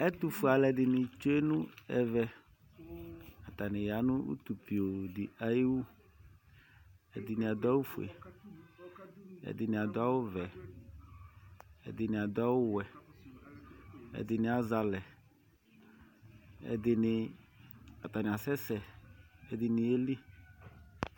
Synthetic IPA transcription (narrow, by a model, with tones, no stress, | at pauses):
ɛ˦t̪u˨fu˨a˨lɛ˨dɪ˨nɪ̃˨t͡ʃe˦nʊ̃˦ɛ˨vɛ˨ | a˨t̪a˨nɪ̃˨ja˨˦nʊ̃˦ṵ˦t̪u˨pi˨o˨dɪ˨a˨ji˦wu˦ | ɛ̰˨d̪ɪ˨nɪ̃˨a˨d̪a˦wu˦fu˨ɛ̰˨ | ɛ̰˨d̪ɪ˨nɪ̃˨a˨d̪ʊ˦a˦wʊ˦vɛ˨ | ɛ̰˨d̪ɪ˨nɪ̃˨a˨d̪ʊ˦a˦wʊ˦wɛ˨ | ɛ̰˨d̪ɪ˨nɪ̃˨a˨za˨lɛ˨ | ɛ̰˨d̪ɪ˨nɪ˨ | a˨t̪a˨nɪ̃˨a˨sɛ˦sɛ˨ɛ˨d̪ɪ˨nɪ̃˨e˦li˦